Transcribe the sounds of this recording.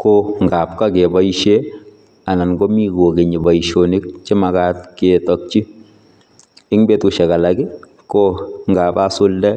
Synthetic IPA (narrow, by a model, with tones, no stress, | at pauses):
koŋɡa˨p̚ka˦ke˨ba˦iʃe˦ | a˨na˨nɡo˦mi˦ko˨ke˨ɲi˨ba˨iʃoni˦k̚t͡ʃɪ˦ma˨ka˦tketɔk̚t͡ʃi˦ | ɪ˦ŋbe˦tʊ˨ʃɛ˨ka˨laɡɪ˦ | koŋɡapa˦sʊ˦ldɛ˦